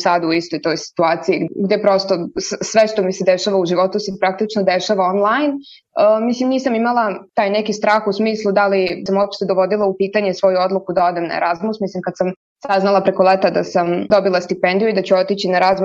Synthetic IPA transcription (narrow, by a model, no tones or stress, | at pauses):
saːd̪uuist̪o̞jt̪o̞jsi̥t̪uaːt̪siiɡɡd̪epɾo̞st̪o̞ssʋeʃt̪o̞mised̪eʃaʋauʒiʋo̞t̪usepɾak̚t̪it͡ʃnod̪e̞ʃaʋaonlˠajn | əmislimniːsamimalˠat̪aːjnekist̪ɾaːxusmiːslˠud̪alisamuopʃt̪ed̪oʋo̞d̪ilˠaupiːt̪aɲe̞sʋo̞juo̞d̪lˠukud̪ao̞d̪emna̰ḛɾazmusmislimkad̪sam | saznalˠapɾe̞kolet̪ad̪a̰samd̪o̞bilˠast̪ipend̪ijuid̪at͡ɕuo̞t̪it͡ɕinaɾazm